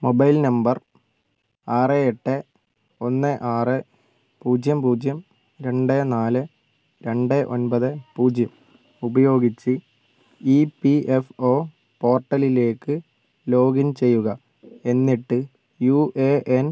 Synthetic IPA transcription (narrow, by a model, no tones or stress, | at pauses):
mobɐjlnɐmbɐr | aːreeʈːɨ | o̞nːɨʔaːrɨ | puːd͡ʑjɐmpuːd͡ʑjɐm | ɾe̞ɳɖɨnaːlɨ | ɾe̞ɳɖɨʔo̞̰nbɐðɨpuːd͡ʑjɐm | ubɐjo̞ːɡit͡ɕːɨ | iːpiefo̞ː | po̞ːrʈːɐlile̞ːkːɨ | lo̞ːɡint͡ɕe̞jːuɣɐ | e̞nːiʈːɨ | juʔeʔen